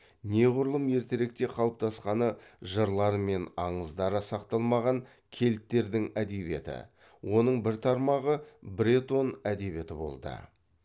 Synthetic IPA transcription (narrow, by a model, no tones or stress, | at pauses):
ne̞ʁʊɾlˠəmje̞ɾt̪ɪɾek̚t̪e̞qʰɑwəp̚t̪ʰɑsqɑnəʒəɾlˠɑɾme̞nɑɴəzd̪ɑɾəsɑqt̪ɑlˠmɑʁɑŋ | kʲʰe̞lt̪ːe̞ɾd̪ɪŋæd̪e̞be̞̰t̪ɪ̰ | wʔo̞nəɴbɪɾt̪ʰɑɾmɑʁəbɾʲet̪o̞næd̪e̞βe̞t̪ɪbo̞̰lˠd̪ə̰